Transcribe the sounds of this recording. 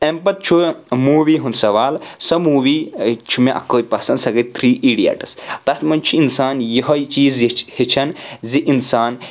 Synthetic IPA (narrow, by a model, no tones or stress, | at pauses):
empɐt̪̚t͡ʃʰumuːʋiːɦunsɐʋaːlsɐmuːʋiːt͡ʃʰumeʔɐ̰kːoːjʲpɐsɐnd̪sɐɡɐt̪ʰɾiːʔiɖija̰ʈɐ̥st̪ɐt̪mɐnt͡ʃʰuinsaːnjɐɦɐit͡ʃiːzhit͡ʃʰɐnziʔinsaːn